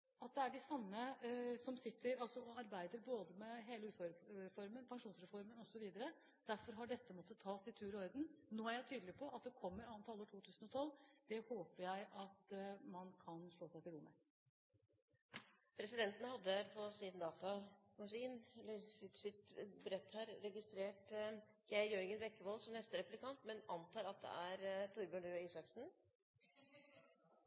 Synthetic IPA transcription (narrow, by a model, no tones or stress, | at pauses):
ɑt̪̚d̪ɛæɖɪsɑmːəsɔmsɪt̪ːəɾɑlsɔɔɑɾbæɪd̪əɾboːd̪əmɛɦeːləʉːfɑɾfɔɾmənpʰɑŋʂuːnsɾɛfɔɾmənɔsɔʋiːd̪əɾə | d̪̥æɾfɔɾɦɑɖɛt̪ːəmɔt̪ːət̪ʰːɑːsɪt̪ʰʉːɾɔɾd̪n̩noːæɾjæɪt̪ʰyːd̪əlɪpʰɔʔɑt̪̚d̪ɛkʰɔmːəɾɑnt̪ʰɑlːəʈʰuːt̪ʰʉːsən̩ɔt̪ʰɔlːd̪̥ɛhoːpəɾjæɪʔɑt̪mɑnkʰɑnʂɭoːsæɪt̪ɪlɾʊmə̰ | pʰɾɛsɪd̪ɛnt̪ənəhɑd̪ːəɾpʰɔsɪdnd̪ɑːt̪ɑɑʂiːnləsɪsɪt̪bɾɛt̪ːhæːɾɾɛɡɪst̪ɾeːʈ | jæɪjøːɾɡənʋɛkːəʋɔlsɔmnɛst̪əɾɛplɪkʰɑnt̪mɛnɑ̰nt̪ʰɑːɾɑt̪̚d̪ɛ̰ʔæɾt̪ʰuɾbøɳɖøːiːsɑksn̩